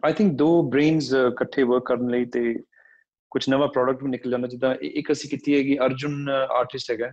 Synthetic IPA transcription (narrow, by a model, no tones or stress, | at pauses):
aːjt̪ʰɪ̃ŋk̚d̪oːbɾeːnzkəʈʰːeːʋəɾkːəɾənləiːt̪eː | kʊt͡ʃʰnəʋaːpɾɔːɖək̚ʈbiːnɪkəld͡ʒãːnd̪aːt͡ʃɪt̪ãːʔʔɪkəsĩːkɪt̪iːɦɛːɡiːəɾd͡ʒʊna̰ːɾʈɪsʈɦɛːɡɛː